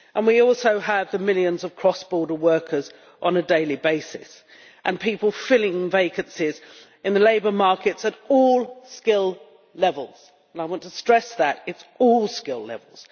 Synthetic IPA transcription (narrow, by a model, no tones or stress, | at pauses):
ʔə̃nwiɔˑlˠsoʊəvðəmɪljɨ̃nzʌv̥kʰɹ̥ɒsb̥ɔːɾəwɜˑ˞kʰə˞z | ʔə̃nədeɪlibeɪsɪ̰s | ʔə̃npʰiˑpəl̩ˠfɪlɪ̃ŋveɪkɨ̃nsɪz | ʔɨ̃nðəleɪbə˞mɑɹkɪtsəɾɔlˠskɪlˠ | lɛvəlˠz̥ | ə̃naɪwɑ̃ntʰəstɹ̥ɛsðətɪtsɔlˠskɪlˠɛ̰vəl̩ˠz̥